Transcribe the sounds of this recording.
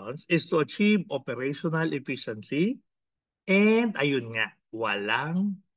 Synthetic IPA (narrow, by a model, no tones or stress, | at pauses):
nsɪst̪uɐt͡ʃivopɛɾɛjʃonɐlʔɛfiʃɛnsi | ʔɛnd̪ɐjʊnŋaʔ | wɐlaŋ